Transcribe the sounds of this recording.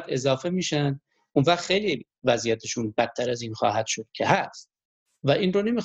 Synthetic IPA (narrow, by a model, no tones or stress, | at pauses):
d̪e̞zɒːfe̞miːʃænd̪ | unvæχxejli | væzijæt̪ʰeʃunbæt̪̚ʰːæɾæziːnxɒ̰ːɦæd̪̥ʃod̪̥̚cʰe̞hæst̪ | væʔiːnrone̞mi